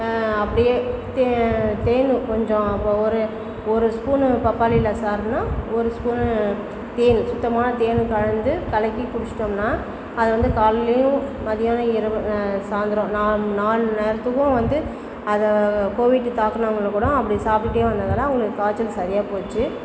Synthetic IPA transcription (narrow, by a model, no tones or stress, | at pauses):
ɐpːɐɽɪjeːt̪et̪eːnɯkɔɲd͡ʒõɐpːoːɔɾɯ | ɔɾɯskuːnpɐpːaːlɪlɐsaːɾnaːɔɾɯskuːn | t̪eːnsʊt̪ːɐmaːnɐt̪eːnkɐɻɐnd̪ɯkɐlɐkːikʊɽɪt͡ʃːɪ̥ʈːomnaː | ɐðɯʋɐnd̪ɯkaːllɐjʊ̃mɐðɪjaːnɐ̃ɪɾɯsaːnd̪ɪɾõːnaːnaːlnɛːɾɐt̪ːɯkːʊ̃ʋɐnd̪ɯ | ɐðɐkoːʋɪʈːɯt̪aːkːɐnɐʋɐŋɡɐɭɐkuːɽõɐpːɐɽɪjsaːpɪʈːeːʋɐnd̪aðɐlːãːɐʋʊŋɡɐɭɯkːɯkaːt͡ʃːɪlsɐðɪjaːpoːt͡ʃːɯ